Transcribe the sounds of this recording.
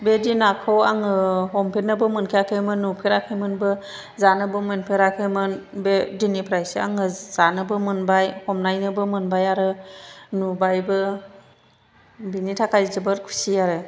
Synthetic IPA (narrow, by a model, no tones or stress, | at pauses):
bedinakʰɯwaŋɯɦɔmpʰenɯbɯmɯnkʰijakʰɯmɯnːupʰeɾakʰɯjmɯnbɯ | zanɯbɯmɯnpʰeɾakʰɯjmɯnbedinipʰɾajsa̰ŋɯz̥anɯbɯmɯnbajhɔmnajnɯbɯmɯnbajaɾɯnubajbɯ | binitʰakʰajzɯbɯɾkʰu̥siaɾɯ